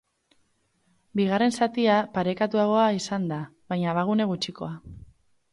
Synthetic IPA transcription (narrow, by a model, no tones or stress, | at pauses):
biɣ̞are̞nsat̪iapaɾe̞kat̪uaɣ̞o̞aisand̪aβajɲaβaɣ̞une̞ɣut͡ʃiko̞̰a